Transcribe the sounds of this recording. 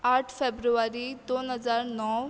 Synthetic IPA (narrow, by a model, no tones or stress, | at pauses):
aʈʰfebɾuʋaɾid̪onɦəd͡zaɾnɔw